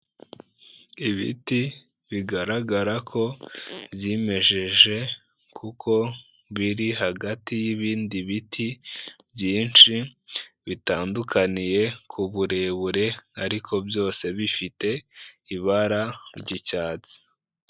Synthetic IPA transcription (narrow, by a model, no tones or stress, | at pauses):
iβḭti | βiɡaɾaɡaɾakʰo̞bjeːme̞ʒe̞ʒe̞ | kʰukʰo̞ | βiɾiɦaɡatijiβiːndiβitʰibjiːnʃiβitaːndukʰanije̞kʰuβuɾe̞βuɾe̞aɾikʰo̞bjo̞ːse̞βifite̞iβaɾaɾɟicaːt͡si̥